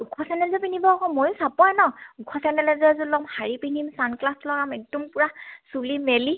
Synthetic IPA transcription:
ukʰɔsɛnɛlzɔpinibɔkɔmojʊsapɔjnɔukʰɔsɛnɛlɛzɛzulɔmhaɹipinimsanklaslɔkamek̚dumpʊɹasulimeli

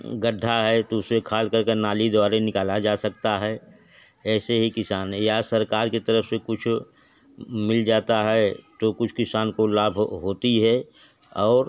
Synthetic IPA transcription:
ɡəɖʱːaɦɛt̪oʊsmekʰaːlkəɾkenaːlid̪ɔaːɾenɪkaːlad͡ʒaːsɐk̚t̪aɦɛː | ɛːseɦikɪsaːnjasɐɾkaːɾket̪əɾəfsekʊt͡ʃʰ | mɪld͡ʒaːt̪aɦɛt̪okʊt͡ʃʰkɪsaːnkolaːbʱɦoːt̪iɦɛ | ɔːɾ

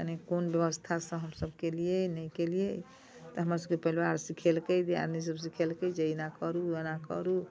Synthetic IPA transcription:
ənekonbjəbəst̪ʰasə̃ɦəmsəbkelijenəjkelije | t̪ɔɦəmɾasəb̚kepəilwaɾsikʰelkəd̪ia̰ɾnis̬əbs̬ikʰelked͡ʒəinakəɾuənakə̰ɾu

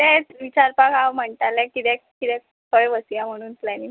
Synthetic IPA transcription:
ɛ̃ʋit͡ɕaɾpakaʋm̤əɳʈ̪alɛ̃kit̪ɛ̃kit̪ɛ̃ | kʰəɭʋəsijam̤əɽ̃uːnplɛni

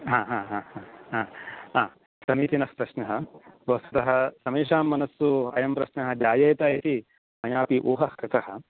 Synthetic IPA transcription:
ɦãːɦãːɦaːhaːɦaːɦaː | sɐmiːt̪inɐspɾɐʃnɐɦɐ̆bʱɐsɐt̪ɐɦɐ̆sɐmeːʂaːmːɐnɐsːuɐ̰jɐmpɾɐʃnɐɦɐ̆d͡ʒaːjɐːt̪aːjit̪i | mɐjaːpiʔoːɦɐhkɾɪt̪ɐɦɐ̆

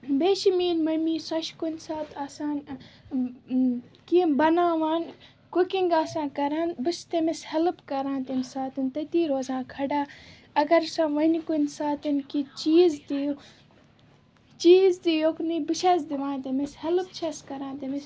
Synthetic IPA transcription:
beːʃimiːnmɐmiːsɐʃkunsaːt̪aːsãːn | kibɐnaːʋaːn | kukiŋɡaːsãːkɐɾaːnbɨst̪emishɐlɨpkɐɾãːnt̪imsaːt̪ɨnt̪ɐt̪iːɾoːzãːkʰɐɖaː | ɐɡɐɾsãːʋɐnkunsaːt̪ɨnkit͡ʃiːzt̪ij | t͡ʃiːzt̪ijoknibɨʃɐsd̪iʋãːnt̪emishɐlɨpt͡ʃʰɐskɐɾãːnt̪ɐmis

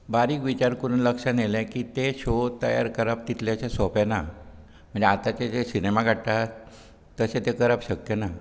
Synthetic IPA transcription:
baɾiːkʋit͡ɕaɾkəɾuːnləkʂanelɛ̃kiːt̪eɕot̪əja̰ɾkəɾap̚t̪it̪ljaɕasɔpɛna | m̤əɳd͡ʑeat̪at͡ɕaesinemaɡʱaɽt̪a | t̪əset̪ekəɾapɕəkjəna

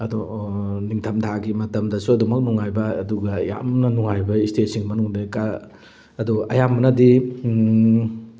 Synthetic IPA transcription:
ɐdu | niŋtʰɐmdʰʱaɡimɐtɐmdɐsuɐdumɐk̚nuŋajbɐ̰ːduɡɐja̰mnɐnuŋajbɐistet̚siŋmɐnuŋdeka | ɐduɐjamːɐnɐdi

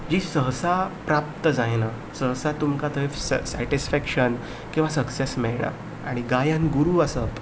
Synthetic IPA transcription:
d͡ʑiːsəɦsapɾap̚t̪əd͡zajna | səɦsat̪umkat̪ʰəessæʈisfækʂən | kĩw̃ʋasəksesmɛɭɳa̰ | aɽ̃iɡajãnɡuɾuːəsət̪

